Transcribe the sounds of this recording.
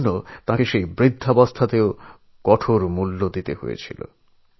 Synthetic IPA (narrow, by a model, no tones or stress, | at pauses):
not̪ãkeʃejbɾid̪ʱːabast̪ʰat̪eo | kɔʈʰoɾmulːod̪it̪eɦo̰jḛt͡ɕʰḭlo̰